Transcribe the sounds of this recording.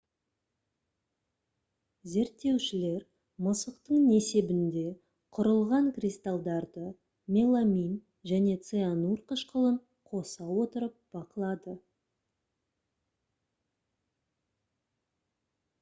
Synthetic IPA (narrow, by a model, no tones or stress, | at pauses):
ze̞ɾt̪ːe̞wʃɪle̞ɾ | məsəqt̪əɴne̞se̞bɪnd̪e̞ | qʰʊɾəlˠʁɑɴkrʲist̪alˠd̪ɑɾd̪ə | mʲe̞lˠamʲin | ʒæne̞t̪seanuɾqʰəʃqəlˠəɴ | qʰo̞sɑwo̞t̪əɾəp̚b̥ɑqəlˠɑd̪ə